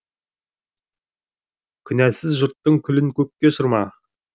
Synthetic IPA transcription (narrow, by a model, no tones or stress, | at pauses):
kʲʰʏnæsɪzʒʊɾt̪ːəŋkʲʰʏlɪŋkʲʰɵkʲːe̞ʃʊɾmɑ